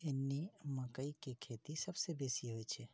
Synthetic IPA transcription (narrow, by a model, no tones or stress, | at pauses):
enːiməkəikekʰet̪isəbsebesiɦojt͡ʃʰe